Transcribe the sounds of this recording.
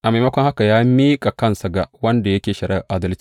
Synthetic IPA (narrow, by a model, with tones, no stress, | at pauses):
ʔa˨ma˨jmɐ˦kʷɔ˦ŋha˦ka˨jaː˦miː˦kʼa˨kɐ˦nsɐ˨ɡa˨wɐ˦nda˨jɐ˦kʲeː˨ʃɐ˨ɽɐ˦˨ʔaː˦dɐ˦lt͡ʃi̥˦